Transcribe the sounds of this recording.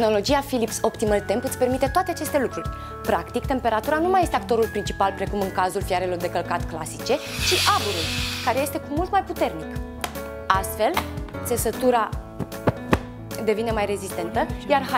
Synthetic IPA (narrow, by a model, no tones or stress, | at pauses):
no̞lo̞d͡ʒijafilipso̞pt̪iməlt̪e̞mpɨt̪sʲpe̞rmit̪e̞t̪oat̪eat͡ʃe̞st̪e̞lukɾurʲ | pɾakt̪ikt̪e̞mpe̞ɾat̪uɾanumaje̞st̪eakt̪o̞ɾulpɾint͡ʃi̥palpɾe̞kumɨŋkazulfiaɾe̞lo̞rd̪e̞kəlkat̪kla̰si̥t͡ʃe̞t͡ʃiʔabuɾulkaɾeje̞st̪e̞kumult̪majput̪e̞rnik | ast̪fe̞lt̪se̞sət̪uɾa | d̪e̞vine̞majre̞zist̪e̞nt̪əjarɦ